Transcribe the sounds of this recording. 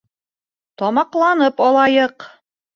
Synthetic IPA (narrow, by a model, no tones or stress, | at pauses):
t̪ɒmɑqlˠɑnɤpɒlˠɑjɤq